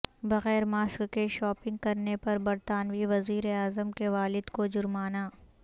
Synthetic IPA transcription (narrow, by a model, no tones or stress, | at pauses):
bɐɣɛːɾmaːskkeʃɔːpɪ̃ŋɡ̚kɐɾnepɐɾbɐɾt̪aːnʋiʋɐziːɾeaːzəmkeʋaːlɪd̪kod͡ʒʊɾmaːnaː